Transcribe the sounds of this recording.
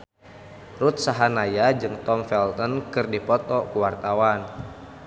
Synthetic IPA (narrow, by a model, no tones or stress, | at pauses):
rut̪̚saɦanajad͡ʒɨŋt̪ɔmfɛlt̪ɔnkɨrdipɔt̪ɔkuwart̪awan